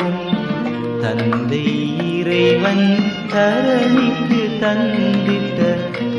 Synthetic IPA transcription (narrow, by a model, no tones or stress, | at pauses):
t̪ɐ̰nd̪ɐɪ | iːɾɐɪʋɐnt̪ɐɾɐnit̪ːɯt̪ɐnd̪ɪnd̪ɐ